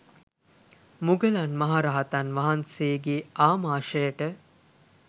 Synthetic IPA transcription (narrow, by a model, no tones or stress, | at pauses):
muɡəlanmɐɦaɾaɦat̪anʋaɦanseːɡeaːmaːʃəjəʈə